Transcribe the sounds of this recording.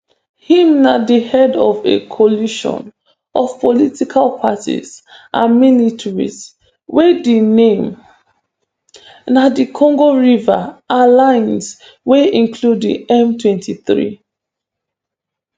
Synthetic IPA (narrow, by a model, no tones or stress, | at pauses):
hĩmnadihɛdɔvḛkʰɔliʃɔ̰̃n | ʔɔv̥pʰɔlitikʰalpʰatḭzʔa̰militʰɹḭz | wedenẽm | nadikʰɔ̃ŋɡoɹivaalãɪns | weĩnkʰludḭɛmtʰwɛ̃ntʰiθɹḭ